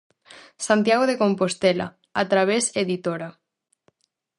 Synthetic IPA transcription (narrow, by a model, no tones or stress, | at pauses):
sant̪jaɣoðekompost̪ela̰ | at̪ɾaβ̞eseðit̪oɾa